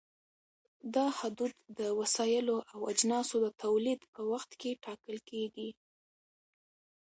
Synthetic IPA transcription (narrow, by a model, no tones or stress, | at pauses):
d̪ɑhad̪ud̪ːəwasɑjɪloʔawad͡ʒnɑsod̪ət̪ʰawlid̪pəwaxt̪keʈɑkəlkeɡi